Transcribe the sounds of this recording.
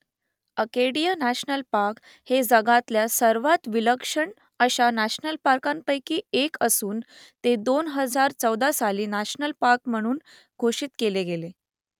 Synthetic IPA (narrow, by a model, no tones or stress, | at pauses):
əkeɽijənæɕnəlpaɾk | hed͡zəɡat̪ljasəɾʋat̪ʋiləkʂəɳ | əɕanæɕnəlpaɾkampəjkiːekəsuːn | t̪ed̪onɦəd͡zaɾt͡səwd̪asaliːnæɕnəlpaɾkm̤əɽ̃uːn | ɡʱoʂiːt̪keleɡele